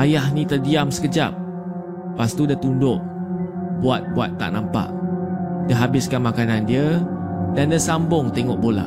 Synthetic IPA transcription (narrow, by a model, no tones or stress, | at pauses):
ajahnĩt̪ərdiamsə̥kəd͡ʒa̰p̚ | past̪udət̪undʊʔ | buat̪̚bua̰t̪ːa̰ʔnãmpa̰ʔdəɦabɪskanmakanandiədandəsambʊŋt̪eŋɔʔbola̰